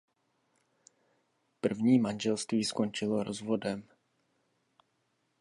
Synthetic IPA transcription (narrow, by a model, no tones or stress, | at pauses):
pr̩vɲiːmanʒɛlst̪viːsko̞nt͡ʃɪlo̞ɾozvo̞dɛm